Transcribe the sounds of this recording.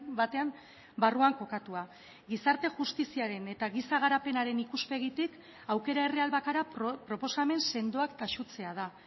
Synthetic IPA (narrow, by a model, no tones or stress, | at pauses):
bat̪e̞am | baruaŋko̞kat̪ua | ɡisaɾt̪e̞ʝust̪isiaɾe̞ne̞t̪aɣisaɣaɾape̞naɾe̞nikuspe̞ɣ̞it̪ik | awke̞ɾae̞realβakaɾapɾo̞po̞same̞nse̞nd̪oakt̪aʃut͡se̞að̞a